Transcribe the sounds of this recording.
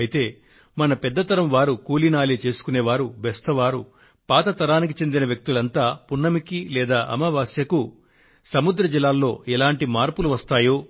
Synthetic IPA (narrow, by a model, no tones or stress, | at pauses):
jit̪e̞ː | mɐnɐpɛd̪ːɐt̪ɐɾɐmʋaːɾukuːlinaːliːt͡ʃe̞ːsu̥kuneːʋaːɾubɛst̪ʰɐʋaːɾu | paːt̪ɐt̪ɐɾaːnik̬it͡ʃe̞nd̪inɐʋjɐk̚t̪ulɐnt̪aːpunːɐmikilɛːd̪aːʔɐ̰mɐʋaːsjɐku | sɐmud̪ɾɐd͡ʒilːaːlːo̞ːɛlaːɳʈimaːɾpuluʋɐst̪aːjoː